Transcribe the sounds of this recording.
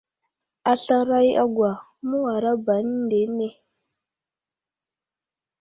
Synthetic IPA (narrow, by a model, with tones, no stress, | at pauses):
a˨ɬa˦ɾa˦jʔa̰˦ɡwa˨ | mu˦wa˨ɾa˦ba˨n˦de˨˦ne˦